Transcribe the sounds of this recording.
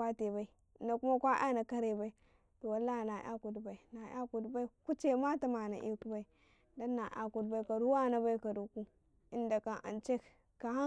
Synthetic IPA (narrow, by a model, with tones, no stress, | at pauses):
a˦te˨ba˦i˨ | nda˨ku˦ma˦kʷa˦ʔa̰˦na˨ka˦ɾe˨ba˦i˦ | to˨wa˨˦lːa˦i˨na˨ʔa̰˦ku˨dba˨i˨na˨ja̰˦ku˨dba˦i˦ku˦t͡ʃe˦ma˦ta˦ma˨na̰˨ʔḛ˦ku˦ba˦i˨ | da˦nːa˨ʔa̰˨ku˨dba˦i˦ka˨ɾu˦wa˦na˦ba˦i˦ka˨du˨ku˦ | i˦nda˨ka˨ʔa̰˨nt͡ʃe˦k | ka˨a˦